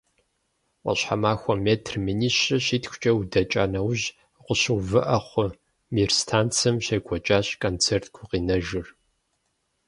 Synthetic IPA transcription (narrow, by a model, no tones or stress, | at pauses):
qʷʼɔ̰ɕħamaːxʷɔmeːtʰrminiɕɐɕiːtʰxʷʊ̥t͡ʃʼɐwudɐt͡ʃʼaːnɐwʑ | qʷʊɕɨwvɨʔɐχʷʊ | mirstʰaːnt͡sʰɨmɕeːɡʷɔt͡ʃʼaːɕkʰʼont͡sʰeːrtʰɡʰʷʊqiːnɐʒɨr